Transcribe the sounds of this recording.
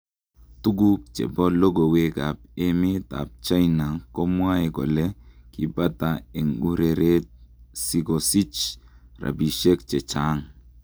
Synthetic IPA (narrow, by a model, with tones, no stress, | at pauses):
tu˦ɡu˦k̚t͡ʃɛ̰˨bɔ˦lo˦ɡo˨we˦ɡa˨p̚e˦mɪ˦t̪a̰˨p̚t͡ʃa˦jna˨ko˦mwa˦e˨ɡɔ̰˨le˦ki˦ba˦t̪a˨e˨ŋu˦ɾe˨ɾe˦t̪̚si˦ɡosi˦t͡ʃra̰˨bi˨ʃe˦kt͡ʃe˨t͡ʃa˦ŋ